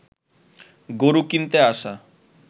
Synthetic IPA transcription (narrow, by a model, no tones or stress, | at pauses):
ɡoɾukint̪eaʃa